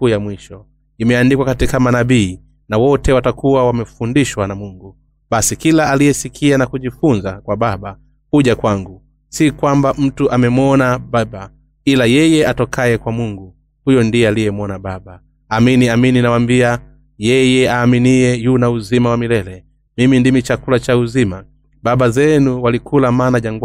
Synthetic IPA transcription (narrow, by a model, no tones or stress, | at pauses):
ujamwiʃɔ | imɛandikwakatikamanaɓiː | nawɔtɛwatakuwawamɛfundiʃwanamuŋɡu | ɓasikilaalijɛsikʰianakuʄifunzakwaɓaɓa | huʄakwaŋɡu | sikwambam̩tuʔamɛmwɔnaɓaba | ilajɛjɛatɔkʰajɛkwamuŋɡu | hujɔndiɛalijɛmwɔnaɓabaː | miniamininawambia | jɛjɛaːminiɛjunauzimawamilɛlɛ | mimindimit͡ʃakulat͡ʃauzima | ɓaɓazɛnuwalikʰulamaːnaʄaŋɡw